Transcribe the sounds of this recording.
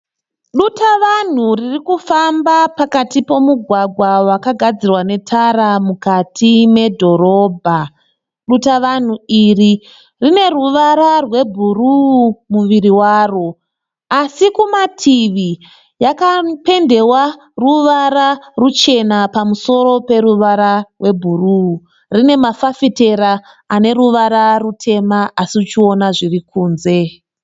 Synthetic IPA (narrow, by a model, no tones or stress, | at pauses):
ɗutaʋan̤uririkufambapakatipo̞muɡʱwaɡʱwawakaɡʱad͡zirwane̞tʰaɾamukatʰime̞dʱo̞ɾo̞ːbʱa | ɗutaʋan̤uiri | rine̞ruʋaɾarwe̞bʱurumuʋiriwaːro | asikumatʰiʋi | jakape̞nde̞wa | ruʋaɾarut͡ʃe̞napamuso̞ɾo̞pe̞ɾuʋaɾarwe̞bʱuruu | rine̞mafafite̞ɾa | ane̞ɾuʋaɾarutʰe̞maasiut͡ʃio̞naʐirikuːnze̞